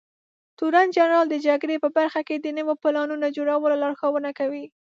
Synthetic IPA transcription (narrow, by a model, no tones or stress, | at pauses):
t̪uɾand͡ʒanɾɑld̪əd͡ʒaɡɾepəbaɾxaked̪ənəwopɪlɑnunad͡ʒoɽawəlolɑɽxawənakawi